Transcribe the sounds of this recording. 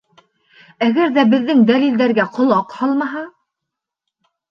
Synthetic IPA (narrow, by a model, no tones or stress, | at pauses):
æɡæɾðæbɘ̆ðːɘŋd̪ælild̪æɾɡæqʰŏlˠɑqhɑlˠmɑɦɑ